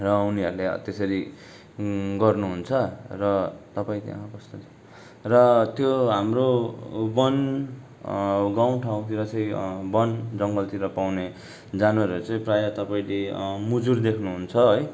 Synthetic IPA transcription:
rʌuniʌɾuleʌ̰t̪jʌsʌɾi | ɡʌrnuɦunt͡sʰʌrʌt̪ʌpaĩt̪jã̰ʌkʌst̪ʌ | rʌt̪joɦamrobʌn | ɡaw̃ʈʰaw̃t̪ʰiɾʌt͡sʌĩbʌnd͡zʌŋɡʌlt̪iɾʌpawne | d͡zanɾeɾt͡sʌĩprajʌt̪ʌpaĩlemud͡zurd̪ekʰnuɦunt͡sʰʌɦoj

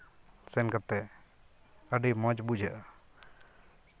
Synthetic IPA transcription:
sɛnkat̪ɛ | əɖimə̃d͡ʒbud͡ʒaʔa

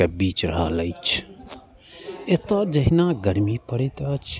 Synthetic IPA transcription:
ebit͡ʃɾəɦələjt͡ʃʰ | et̪əd͡ʒəɦinaɡəɾmipəɾɛt̪ət͡ʃʰ

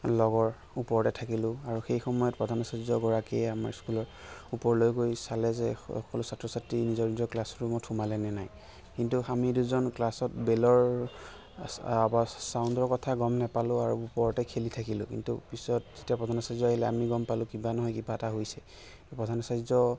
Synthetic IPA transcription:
lɔɡɔɹ | upɔɹɔtɛtʰakilʊ̃aɹuxejxɔmɔjɔt̚pɹɔdʱanɔsazɔɡɔɹakiɛamaɹskulɔɹupɔɹlojkojsalɛzɛɔ̰kɔlusatɹɔsatɹinizɔɹnizɔklasɹumɔtʰumalɛnɛnaj | kintuamiduzɔnklasɔtbelɔɹ | abasaʊndɔɹkɔtʰaɡɔmnɛpalʊ̃aɹuupɔɹɔtɛkʰelitʰakilʊ̰̃kḭntṵpisɔt̚z̥etijapɹɔdʱanɔsazɔaɦilɛamiɡɔmpalʊ̃kibanɔɦɔjkibataɦojsɛ | pɹɔdʱanɔsazɔ

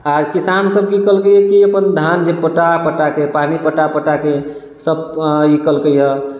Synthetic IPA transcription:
aɾkisansəb̚kikəlkəɛkiəpənd̪ʱand͡ʒepəʈapəʈakepanipəʈapəʈake | səbikəlkəjə

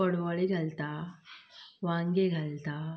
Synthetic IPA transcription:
ɔɽʋɐɭiɡɐlt̪aː | ʋaːŋɡeɡɐlt̪aː

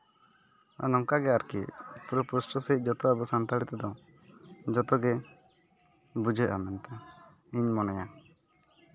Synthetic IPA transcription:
a̰nɔŋkaɡɛaɾkḭpɾupɾusʈɔseɦit̪̚ˀd͡ʒɔt̪ɔabɔsant̪aɽit̪ɛd̪ɔ̃ | d͡ʒɔt̪ɔɡɛ | bud͡ʒɔjʔa̰mɛnt̪a | iɲmɔnɛja

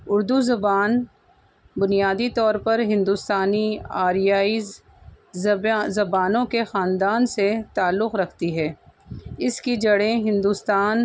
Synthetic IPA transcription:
ʊɾd̪uzɐbaːn | bʊnijaːd̪it̪ɔːɾpɐɾɦɪ̃nd̪uːst̪aːniaːɾijaːi | zɐbaːnõkexaːnd̪aːnset̪aːlːʊqɾɐkʰt̪iɦɛː | ɪskid͡ʒɐɽẽɦɪ̃nd̪uːst̪aːn

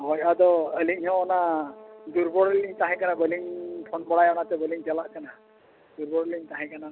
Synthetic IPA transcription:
ɦɔjʔad̪ɔəliʔ̚ˀhɔ̃ɔnad̪uɾbɔɽəliɲt̪aɦɛ̃kanabəliŋpʰɔnbɔɽajɔnat̪ɛbəliŋd͡ʒalaʔkana | d̪uɾbɔɽliɲt̪aɦɛ̃kana

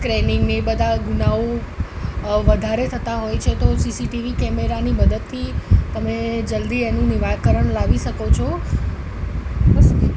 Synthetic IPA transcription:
kɾenɪŋɡnebəd̪ʱaɡunao | ʋəd̪ʱaɾet̪ʰət̪aɦojt͡ʃʰet̪osisiʈiʋikɛmeɾaniməd̪əd̪̚t̪ʰːit̪əmed͡ʒəld̪ienũnɪʋakəɾəɳlaʋiʃəkot͡ʃʰo | bəs

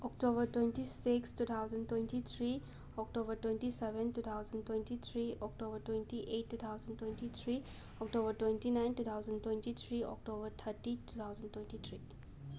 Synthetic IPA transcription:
ɔk̚tobəɾtwẽntisikstut̪ʰawzəntwẽntit̪ʰɾi | ɔk̚tobəɾtwẽntisebɛntut̪ʰawzəntwentit̪ʰɾiɔk̚tobɐɾtwentiʔetːut̪ʰawzəntwentit̪ʰɾi | ɔk̚tobəɾtwẽntinajntut̪ʰawzɐntwentit̪ʰɾiɔ̰k̚tobɐɾt̪ʰəɾtitut̪ʰawzəntwentit̪ʰɾi

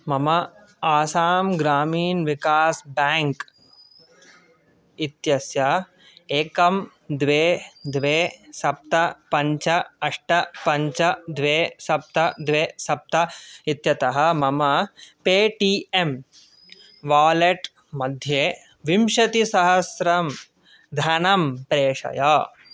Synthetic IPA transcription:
mɐmɐ | aːsaːmɡɾaːmiːnʋikaːsbaːŋk | it̪jɐsjɐ | eːkɐm | d̪ʋeːd̪ʋeːsɐp̚t̪ɐpɐɲt͡ʃɐɐʂʈɐpɐɲt͡ʃɐd̪ʋeːsɐp̚t̪ɐd̪ʋeːsɐp̚t̪ɐit̪jɐt̪ɐɦɐ̆mɐmɐpeːʈiem | ʋaːleʈ | mɐd̪ʱje | ʋimʃɐt̪isɐɦɐsɾɐm | d̪ʱaːnɐmpɾeːʂɐ̰jɐ

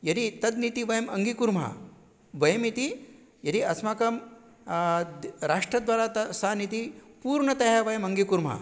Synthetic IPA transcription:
jɐɾit̪ɐd̪nit̪iʋɐjɐmɐŋɡikuɾmɦɐ̰ | ʋɐjɐmit̪i | jɐɾiɐsmaːkɐm | ɾaːʂʈɾɐd̪ʋaːɾaːt̪ɐsaːnit̪ipuːɾɳɐt̪ɐjaʋɐjɐmɐŋɡikuɾmɦɐ̰

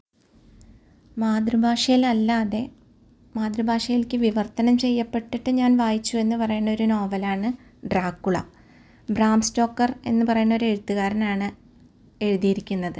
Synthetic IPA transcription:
maːd̪rɨbʱaːʂɐjilɐlːaːðe̞ | maːd̪rɨbʱaːʂɐjilkʲɨʋiʋɐrt̪ɐnɐmt͡ɕe̞jːɐpːe̞ʈːiʈːɨɲaːnʋaːjit͡ɕːue̞nːɨpɐrɐjuɳːɐo̞ɾuno̞ːʋɐlaːɳɨ | ɖraːkːuɭɐ̰ | braːmsto̞ːkːɐre̞̰nːɨpɐrɐjuɳːɐo̞ɾe̞ɻut̪ːuɣaːɾɐnaːɳɨ | e̞ɻuðijiɾikʲːunːɐðɨ

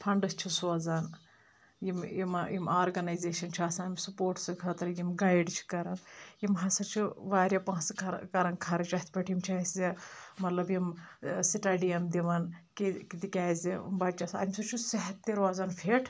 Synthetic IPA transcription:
pʰɐɳɖɨst͡ʃʰusuɐzaːn | jimimjimaːɾɡɐnɐjzeːʃɐnt͡ʃʰiɐsãːmsupoːɾʈskʰɐːt̪ɐɾjimɡaːjɖt͡ʃʰi̥kɐɾɐnjimɦɐsɐt͡ʃʰiʋaːɾʲjɐpãːskʰɐkɐɾɐnkʰɐɾɐt͡ʃɐt̪ʰpɐʈʰjimt͡ʃʰɐszemɐt̪lɐbjimsiʈaːɖiɐmd̪iʋɐnkikid̪ikʲaːzḭmbɐd̪̚t͡ʃɐsɐ̰mʲsut͡ʃʰusɐɦɐt̪ːiɾʋazaːnfʰeːʈʰ

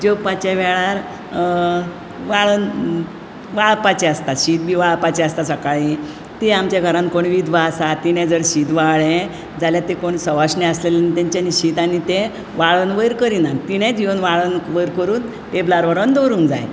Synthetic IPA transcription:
d͡ʑepat͡ɕaʋɛɭaɾ | ʋaɭən | ʋaɭpat͡ɕɛəst̪aɕiːt̪̚bʱiːʋaɭpat͡ɕɛəst̪asəkaɭi | t̪iamt͡ɕjaɡʱəɾãnkoɳʋid̪ʱʋasat̪ːiɽ̃ɛ̃d͡zəɽɕid̪ʋaɭẽ | d͡zaljat̪ekoɳsəʋaɕnɛəslelenit̪ãɲt͡ɕaniɕiːt̪anit̪ẽ | ʋaɭənʋəjɾkəɾinat̪iɽ̃ɛ̃d͡ʑiʋənʋaɭənʋəjɾkəɾuːn | t̪eblaɾʋəɾənd̪oɾũːnd͡zaj̰

